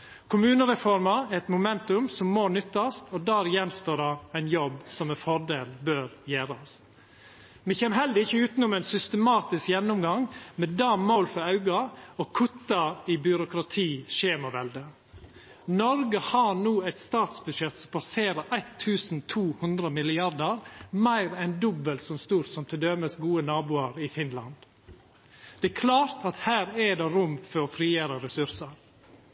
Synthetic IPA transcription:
kʰʊmʉːnəɾɛfɔɾmɑɛt̪mʊmɛnt̪ʉmsɔmːoːnʏt̪ːɑst̪ɔd̪æːɾjɛnːst̪oːdɑæɪnjɔbsɔmɛfɔɖeːlbøːɾjæːɾɑs | mɛçɛːməɾɦɛld̪əɪçːəʉːt̪nɔmæɪnsʏst̪əmɑːt̪ɪskjɛnːʊmɡɑŋmɛd̪ɑmoːlfɔɾɑʉɡɑɔkʰʊt̪ːɑɪbʏɾʊkɾɑt̪ʰiːʃeːmɑʋɛld̪ə | nɔɾɡəhɑɾɳuːæɪt̪st̪ɑːt̪sbʉd̪ʃɛt̪sɔmpʰɑseːɾəɾʔæɪt̪ʰːʉːsn̩t̪ʰuːhʉnd̪ɾəmɪlɪɑɾd̪əɾmæɪɾɛnd̪ɔbəlsɔmst̪uːɾsɔmt̪ʰɪd̪œməsɡuːənɑːbuːɑɾɪfɪnlɑ̰nd̪ | d̪̥ɛkʰlɑːɾt̪ʰɑt̪hæːɾɛd̪ɛɾʊmfɔɾɔfɾiːəɾəɾɛsʉɾsəɾ

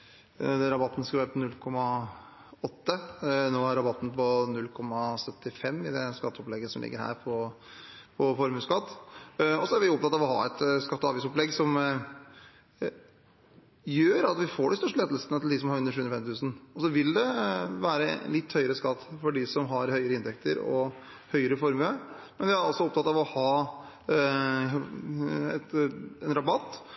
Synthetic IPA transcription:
d̪ɛɾɑbɑt̪ːnskɑʋæːɾəpʰɔnʉlkʰɔmɑ | ɔt̪ːənoːæɾɑbɑt̪ːn̩pɔnʉlːkʰɔmːɑsœt̪ːɪfɛmːɪd̪ɛskɑt̪ːəɔplɛɡːəsɔmlɪ̰ɡːəɾhæ̰ːɾpʰɔ | pʰɔfɔɾmʉːskɑt̪ːɔsɔæɾʋɪɔp̚t̪ɑt̪ːɑʋɔɦɑ̰ɛt̪skɑt̪ːɑːʋiːsɔplɛɡsɔm | jøːɾɑt̪ʋɪfoːɖɪst̪œʂʈəleːd̪l̩sənət̪ɪld̪ɪs̬ɔmhɑɾʉnəɾʂʉːʉnɾfɛmɪt̪ʰʉːsn̩ɔsɔʋɪld̪ɛʋæːɾə̰lɪt̪ːhœʏəɾəskɑt̪ːfɔɖɪsɔmɦɑɾhœʏəɾəɪnt̪ʰɛk̚t̪əɾɔ̰ | hœʏəɾəfɔɾmø | mɛnʋɪæɾɑlsɔɔp̚t̪ʰɑt̪ːɑʋɔhɑː | ɛt̪ɛnɾɑbɑt̪ː

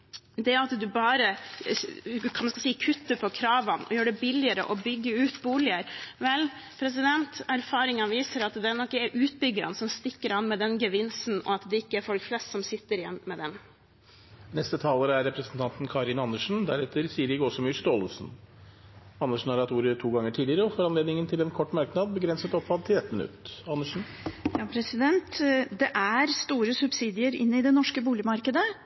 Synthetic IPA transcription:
d̪ɛɑt̪d̪ʉbɑːɾə | kʰɑnmɑnskɑlsiːkʰʉt̪ːəpʰɔkʰɾɑːʋɑnɔ̰jøːɖɛbɪlɪəɾə̰ʔɔbʏɡːəʉːt̪buːlɪəɾʋɛl | pʰɾɛs̬ɪd̪ɛnt̪æɾfɑːɾɪŋənʋiːsəɾɑt̪d̪ɛnɔkːəæɾʔʉːt̪bʏɡəɾɑnsɔmst̪ɪkːəɾɑnmɛd̪ɛnɡəʋɪnsnɔ̰ɑt̪d̪ɛɪkːəæɾfɔlkflɛst̪sɔmsɪt̪ːəɾɪjɛ̰nːmɛd̪ɛn | nɛst̪ət̪ʰɑːləɾəæɾɛpɾəsn̩t̪ʰɑnt̪nkʰɑɾɪnɑnːəʂn̩d̪æɾɛt̪ːəɾsiːəɾɪɡɔsɔmʏst̪oːləsn̩ | ɑnːəʂɳn̩hɑɾɑt̪uːɾət̪ʰuːɡɑŋːəʈʰiːd̪ɪəɾəɔfɔɾɑnleːd̪nɪŋənt̪ʰɪlɛnkʰɔʈːmɑɾknɑd̪̚bəɡɾɛnsət̪ɔpfɑd̪̚t̪ʰɪlɛt̪ːmɪnʉ̰t̪ɑnːəʂn̩ | jɑːpʰɾɛsɪd̪ɛnt̪d̪ɛʔæɾst̪uːɾəsʉbsiːd̪ɪəɾɪnːəɪd̪ɛnɔʂkəbuːlɪmɑɾkəd̪ə

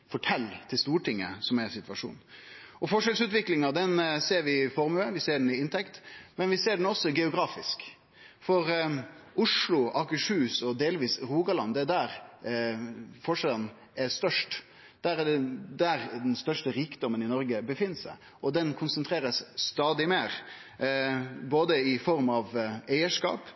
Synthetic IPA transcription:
fɔʈʰɛlːt̪ʰɪlst̪uːʈɪŋːə̰sɔmɛsɪt̪ʋɑʂṵːnɔfɔʂɛlsʉːt̪ʋɪklɪŋɑd̪ɛnseːɾʋɪfɔɾmʉəʋɪseːɖɛnɪɪnt̪ʰɛkt̪mɛnʋɪseːɖɛnɔsːɔɡɛʊɡɾɑːfɪsk | fɔɾ | ʊʂlʊʔɑkəʂʉːsɔd̪eːlʋiːsɾuːɡɑlɑnd̪ɛd̪æɾ | fɔʂɛlən | æst̪œʂʈ | d̪̥æɾd̪æɾd̪ɛnst̪œʂʈəɾiːkəd̪ɔmənɪnɔɾɡəbəfɪnːsæ̰ɪ | ʔɔd̪ɛnkʰʊnsənt̪ʰɾeːɾəsːt̪ɑːd̪ɪmeːɾ | boːd̪əɪfɔɾmɑʋæɪəʂkɑ̰ːp

